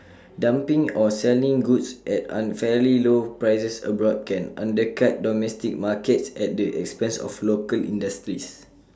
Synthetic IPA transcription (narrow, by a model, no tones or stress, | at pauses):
dãmpĩŋɔsɛlĩŋɡutsʔɛt̚ã̰nfɛlilopɹajsəsə̰bɹɔd̚kɛ̃nã̰ndəkat̚dɔmɛstik̚makətsɛt̚dəʔɛ̰kspɛ̃nsɔ̰flokəlḭ̃ndəstɹis